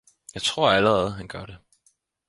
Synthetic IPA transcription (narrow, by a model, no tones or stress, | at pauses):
jɑ̈ɪt͡sʰʁo̝ɐ̰æləʁɛð̞̩ˠɦænɡ̥ɶɐɾ̥e